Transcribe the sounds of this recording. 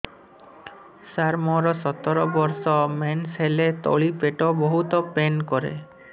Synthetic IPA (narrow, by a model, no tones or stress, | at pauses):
saɾmɔɾɔsɔt̪ɔɾɔbɔɾsɔmenselet̪ɔ̰ɭipeʈobɔɦut̪ɔpenkɔɾḛ